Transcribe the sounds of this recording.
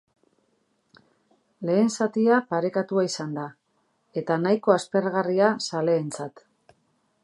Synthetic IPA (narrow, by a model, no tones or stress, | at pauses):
le̞ːnsat̪iapaɾe̞kat̪uaisand̪a | e̞t̪anajko̞aspe̞rɣariasale̞ːnt͡sat̪